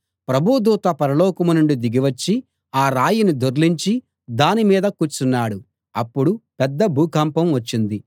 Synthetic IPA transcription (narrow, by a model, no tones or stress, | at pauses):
pɾɐbʱud̪uːt̪ɐpɐɾɐlɔːkɐmunuɳɖud̪iɡiʋɐt͡ʃːi | aːɾaːjinid̪oɾliɲt͡ʃi | d̪aːnimiːd̪ɐkuːt͡ʃːunːaːɽu | ɐpːuɽupɛd̪ːɐbʱuːkampɐmʋɐt͡ʃːind̪i